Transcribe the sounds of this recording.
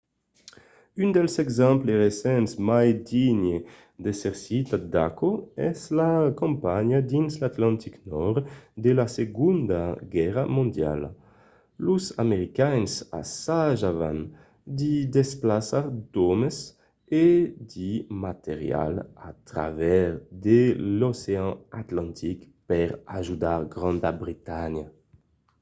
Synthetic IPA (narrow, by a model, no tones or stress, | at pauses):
ynd̪ɛlsɛɡzɛmpleʁesɛnsmajd̪iɲe | d̪eseɾsit̪ad̪akoɛ̰zlakɔ̃mpaɲad̪inslat̪lãnt̪iknɔɾd̪elaseɡund̪aɡɛʁamõnd̪ja̰l | luzameɾikaɲsa̰saʒava̰n | d̪id̪esplasaɾd̪ɔmes | ed̪imat̪eʁja̰lat̪ɾa̰vɛɾd̪eloseɑ̃at̪lãnt̪ʰik | pɛɾaʒud̪aʁɡɾɑ̃nd̪abɾit̪aɲa